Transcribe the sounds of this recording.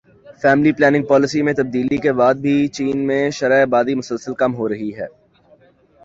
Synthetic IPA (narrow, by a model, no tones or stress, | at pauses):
fɛːmliplɛːnɪ̃ŋɡ̚pɔːlɪsimẽt̪ɐb̚d̪iːlikebaːd̪̚bʱit͡ʃiːnmẽʃɐɾaːbaːd̪imʊsəlsəlkɐmɦoɾɐɦiɦɛː